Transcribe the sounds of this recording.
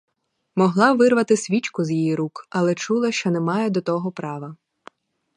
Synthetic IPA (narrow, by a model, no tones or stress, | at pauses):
mɔɦlˠɑʋɪrʋɐt̪ɪsʲʋʲit͡ʃkʊzjijiɾukɐlˠɛt͡ʃulˠɐʃt͡ʃɔnɛmɑjɛd̪ɔt̪ɔɦɔpɾɑʋɐ